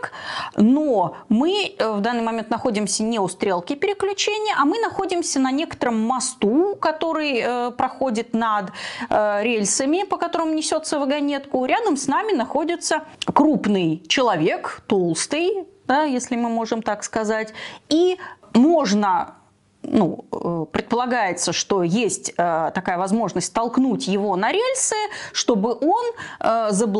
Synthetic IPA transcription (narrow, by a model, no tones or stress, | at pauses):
knomɨvd̪anːɨjmɐmʲent̪nɐxo̞dʲɪmsʲənʲeʊst̪ɾʲe̞lˠkʲɪpʲɪɾʲɪklʲʉt͡ɕenʲɪjəʔɐmɨnɐxo̞dʲɪmsʲənɐnʲe̞kə̥t̪əɾəmːɐst̪ukɐt̪o̞ɾɨjəpɾɐxo̞dʲɪt̪nɐd̪ | ɾʲelʲsəmʲɪpəkɐt̪o̞ɾəmʊnʲɪsʲo̞t̪səvəɡɐnʲe̞t̪kʊɾʲad̪əmsnamʲɪnɐxo̞dʲɪt̪səkɾupnɨjt͡ɕɪlˠɐvʲe̞kt̪o̞lˠst̪ɨjd̪ajesʲlʲɪmɨmo̞ʐɨmt̪akskɐzatʲi | mo̞ʐnə | nṵəpɾʲɪt̪̚pəlˠɐɡajɪt̪səʂt̪o̞jesʲtʲət̪ɐkajəvɐzmo̞ʐnəsʲt̚ʲt̪ɐlˠknutʲjɪvo̞nɐɾʲelʲsɨʂt̪o̞bɨʔo̞nəzəb